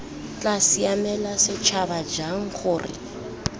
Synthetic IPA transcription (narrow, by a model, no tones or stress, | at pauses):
t͡ɬʼasiamɛlasɪt͡ʃʰabad͡ʒaŋ̩χʊːrɪ̰